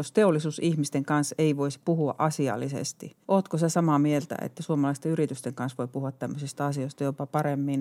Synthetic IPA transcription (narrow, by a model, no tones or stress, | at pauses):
ost̪eolːˑisuːsihmist̪eŋkɑnseiʋoisi̥puhuɑ̰ʔɑsiɑ̰lːisḛst̪ḭʔoːt̪kosesɑmɑmielt̪æ̰ḛt̪ːæsuomɑlɑist̪eyrit̪yst̪eŋkɑnsʋoipuhuɑt̪t̪æmːøsist̪ɑɑsioist̪ɑjopɑpɑremːin